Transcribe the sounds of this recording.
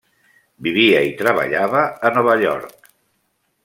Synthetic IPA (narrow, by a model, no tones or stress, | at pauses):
biβiəit̪ɾəβə̰ʎaβəːnɔβəʎɔ̰ɾk